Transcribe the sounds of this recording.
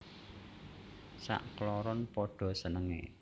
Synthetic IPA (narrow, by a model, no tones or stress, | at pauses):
sa̰ʔklɔɾɔnpɔɖ̥ɔ̤sənəŋḛ